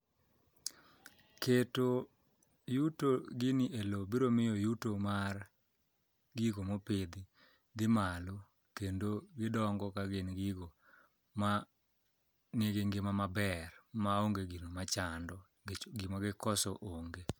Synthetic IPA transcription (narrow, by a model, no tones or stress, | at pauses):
keto | jutoɡɪniʔelobiɾomɪjɔjutomar | ɡiɡomoped̪i | ɡɪmalo | kendoɡɪdɔŋɡɔkaɡenɡiɡo | ma | neɡeŋɡɪmamabɛrmaoŋɡeɡinomat͡ʃandɔ | ɡimaɡɪkɔsɔʔoŋɡe